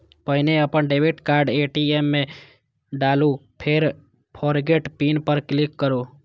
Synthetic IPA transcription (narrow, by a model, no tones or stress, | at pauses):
pəɦineəpənɖebiʈkaɾɖeʈiemːẽ | ɖalupʰeɾ | pʰɔɾɡeʈpinpəɾklikːəɾo